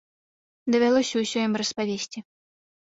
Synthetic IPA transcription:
d̪ɐvʲalˠɔsʲɐwsʲɔjimrɐspavʲesʲt͡sʲi

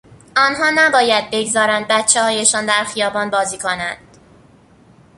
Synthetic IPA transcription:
ɒːnɦɒːnæbɒːjæd̪̚be̞ɡzɒːɾænd̪̚bæt̪t͡ʃʰːehɒːjeʃɒːnd̪æɾxijɒːbɒːnbɒːziːkʰonænd̪̥

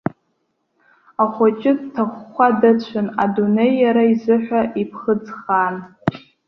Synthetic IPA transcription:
aχʷot͡ʃʼɪdtʰaχːʷadɨt͡ɕʷʰana̰dune̞jːaɾaizɨħʷᶣaʔipʰχəd͡zχan

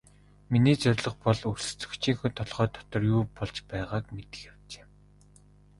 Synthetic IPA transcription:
miniːt͡sœɾʲɮɞ̆χpɔɮɵr̥sɵ̥̆t͡sɵ̆kt͡ɕʰiːŋxŭt̪ʰɔɮʁœːt̪ʰɔ̥t̪ɞ̆rjuːpɔɮt͡ɕpæːʁaːkmet̪ɘ̥̆xjawt͡ɕe̥ː

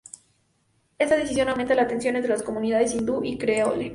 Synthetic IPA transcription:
e̞st̪aðes̬isjonawment̪alaːt̪e̞ns̬jonent̪ɾelasko̞mũniðaðes̬ind̪uʔikɾeole

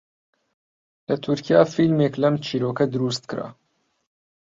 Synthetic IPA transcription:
lɐt̪ʰuɾkʰijaːfilmeːklɐmt͡ʃʰiːɾoːkɐd̪ɨɾuːst̪kɨɾa̰ː

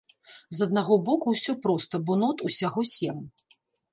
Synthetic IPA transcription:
zɐd̪̚naɣɔbɔkuwsʲɔpɾɔst̪ɐbɔnɔt̪usʲaɣɔsʲɛm

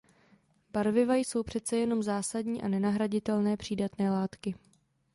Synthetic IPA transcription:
baɾvɪvajso̞wpr̝̥ɛt̪t͡sɛjɛno̞mzaːsadɲiːʔa̰nɛnaɦɾaɟɪt̪ɛlnɛːpr̝̥iːdat̪nɛːlaːt̪kɪ

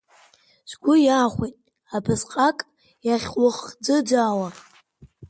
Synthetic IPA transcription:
zʷɡʷʊjaːχʷijtʼ | apʰɨzqʼakʼ | jaχʲwʊχd͡zɨd͡ʒʷaːwa

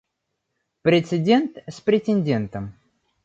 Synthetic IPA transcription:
pɾʲɪt̪sɪdʲe̞nt̪sʲpɾʲɪtʲɪnʲdʲent̪əm

